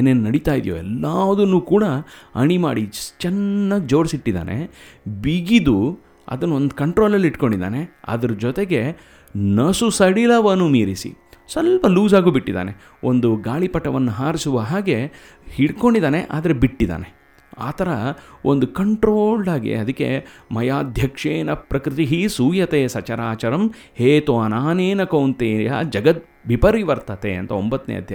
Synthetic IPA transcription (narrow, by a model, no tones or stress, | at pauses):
eːneːnunɐɽit̪aːjid̪jo̰ɛlːaːʋɐd̪unːuːkuːɽɐɐ̰ɳimaːɽit͡ʃɛnːɐɡ̚d͡ʒoːɾsiʈːid̪a̰ːnʔe̞̰biɡid̪u | ɐ̰d̪ɐnːuond̪kɐɳʈɾoːlɐlːiʈko̞ɳɖid̪a̰ːne̞ɐ̰d̪ɐɾɐd͡ʒɔt̪eɡe̞ | nɐsusɐɽilɐʋɐnːumiːɾisḭ | sɐlpɐluːzaːɡuːbiʈːid̪a̰ːne̞ | o̞nd̪uɡaːɭipɐʈːɐʋɐnːuɦaːɾisuʋɐɦaːɡe̞ | hiɽko̞ɳɖid̪aːneʔa̰ːd̪ɐɾe̞biʈːid̪a̰ːne̞ | a̰ːt̪ʰɐɾɐond̪ukɐɳʈɾoːlɖaːɡḭɐd̪ɐkːe̞̰mɐjaːd̪ʱjɐkʂeːnɐpɾɐkɾɪt̪iɦisuːjɐt̪eːsɐt͡ʃɐɾaːt͡ʃɐɾɐm | heːt̪oːɐnaːneːnɐkoːnt̪eːja̰d͡ʒɐɡɐt̪̚ | ʋipɐɾiʋɐɾt̪ɐt̪eɐ̰nt̪ɐombɐt̪ːnḛːɐ̰d̪ʱjɐ